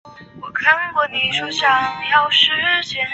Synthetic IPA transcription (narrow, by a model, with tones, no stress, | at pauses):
wɔ˨˩kʰa˥˧nkwɔ˥˩ni˧˥ʂo˨˩ɕjɑ˥ŋ˨˩jɑ˥˩ʊʂɻ̩˥˧˥ɕɛ˧˥n